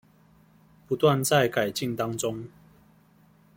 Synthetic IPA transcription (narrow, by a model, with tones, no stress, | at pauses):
pu˧˦t̪wa˥˧nt͡sa˥˨ɪka˨˩ɪt͡ɕi˥˨ŋt̪a˦ŋt͡so˦ŋ